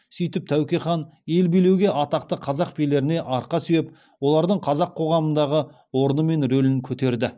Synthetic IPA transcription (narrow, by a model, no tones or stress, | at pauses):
sʏjt̪ɪp̚t̪ʰæwkʲejχɑnje̞lbijle̞wɡʲe̞ʔɑt̪ɑqt̪əqʰɑzɑq̚pʰele̞ɾɪne̞ʔɑɾqɑsʏjep | wo̞lˠɑɾd̪əɴqʰɑzɑqʰo̞ʁɑmənd̪ɑʁə | wo̞ɾənəme̞nɾɵlɪŋkʲʰɵt̪e̞ɾd̪ɪ